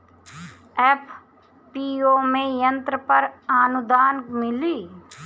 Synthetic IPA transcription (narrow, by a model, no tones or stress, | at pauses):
ɛːpʰ | piːoːmẽjə̃nt̪ɾəpəɾaːnʊd̪aːnmɪliː